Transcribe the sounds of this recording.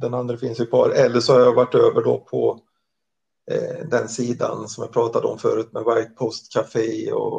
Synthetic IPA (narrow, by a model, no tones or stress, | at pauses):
d̪ɛnand̪ɾəfɪnsjɪpʰɑ̰ːɾɛlːəʂɔhaɾjavaʈːøːvəɖɔpʰɔ | d̪ɛnsiːd̪a̰nsɔmjapʰɾɑːt̪ad̪əɔmfœːɾʉ̟ːt̪̚mɛvaɾjət̪̚pʰɔst̪kʰafeːɔ̰